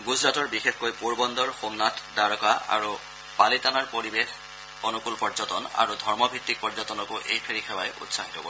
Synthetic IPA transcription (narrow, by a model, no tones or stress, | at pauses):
ɡuzɹatɔɹbixexkojpuɹbɔndɔɹxomnatʰdaɹɔkaa̰ɹu | palitanaɹpoɹibex | ɔnukulpɔzɔtɔna̰ɹudʱɔɹmɔbʱitːik̚pɔɹzɔtɔnɔkʊʔejpʰeɹixʰɛwajʔṵtsaɦitɔbɔ